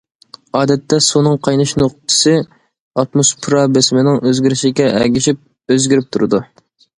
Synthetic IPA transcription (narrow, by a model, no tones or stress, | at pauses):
ɑːd̪ɛt̪ʰːɛsunɨŋqʰɑjnɨʃnoq̚t̪ʰɨ̥sɨ | ɑt̪mospʰɾɑbesmɪnɪŋøzɡʲiɾɪʃɪɡʲɛʔɛɡʲiʃip̚ | øzɡʲiɾɪp̚t̪ʰuɾɨd̪u